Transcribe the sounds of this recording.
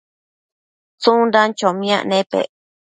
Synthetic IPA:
t͡sũndant͡ʃomĩã̰ʔnẽpḛ

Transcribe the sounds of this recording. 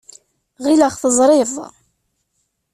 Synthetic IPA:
ʁiləχθəzˤɾˤɪðˤ

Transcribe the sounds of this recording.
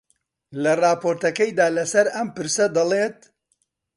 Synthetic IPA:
lɐrɑːpʰoːɾt̪ɐkɐjd̪aːlɐsɐɾɐmpɨɾsɐd̪ɐlˠeːt̪̚

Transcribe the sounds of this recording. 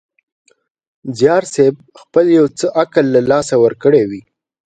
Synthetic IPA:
zjɑɾseb̚ | xpəljawt͡səʔakəlːalɑsawəɾkəɽewi

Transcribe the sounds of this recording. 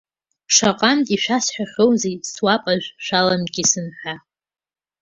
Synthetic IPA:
ʂaqʼantʼiʃᶣasħʷᶣaχʲowzejswapʼaʒᶣʷʃʷᶣalamɡʲʼisɨnħa

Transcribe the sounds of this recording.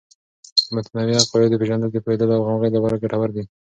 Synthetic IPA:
mat̪nawiapajod̪əpeʒand̪əld̪əpoed̪əloawɣamɣəjd̪apɑɾaɡaʈawaɾd̪i

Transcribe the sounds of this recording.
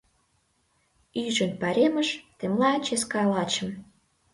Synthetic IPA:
yʒə̆npɑɾʲemə̆ʃt̪emlɑt͡ɕeskɑlɑt͡ɕə̆m

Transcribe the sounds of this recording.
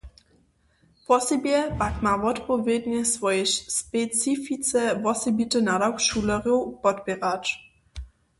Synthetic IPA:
pɔsɛbjɛpakmavɔtpɔvʲjɛdɲɛsvɔjɛɕspɛt͡sifit͡sɛvɔsɛbitənadawkʃulɛʁjupɔtbʲɛʁat͡ʃ

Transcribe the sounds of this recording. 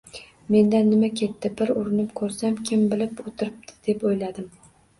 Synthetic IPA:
me̞nd̪anːɪmakʲʰe̞t̪ːɪbɪɾʊɾɪnɪpkʰɵɾsamkʲʰɪmbɪlɪpot̪ʰɪɾɪp̚t̪ʰɪ̥d̪̥e̞pojlad̪ɪm

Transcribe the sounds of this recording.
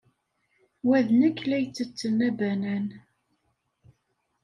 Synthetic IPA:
wæðnækːlæjt͡sːət͡sːənæbænæn

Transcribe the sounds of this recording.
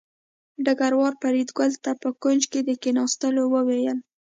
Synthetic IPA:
ɖaɡaɾwɑɾpaɾid̪ɡʊlt̪apəkʊnd͡ʒked̪əkenɑst̪əlowəwejəl

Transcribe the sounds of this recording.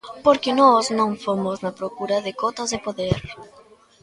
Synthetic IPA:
poɾkɪnɔznõŋfomoznɐpɾokuɾɐðɪkot̪ozðepoðeɾ

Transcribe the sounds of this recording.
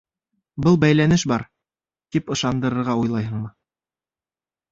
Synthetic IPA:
bɤlˠbæjlænɘʃbɑɾ | t̪ipɤ̆ʃɑnd̪ɤ̆ɾɤ̆ɾʁɑujlˠɑjɦɤ̆ɴmɤ

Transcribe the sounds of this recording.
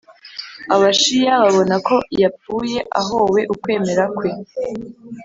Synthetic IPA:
aβaʃijaβaβo̞nako̞jap͡ffuːje̞ʔa̰ɦowe̞ʔukwe̞ːme̞ɾakwe̞

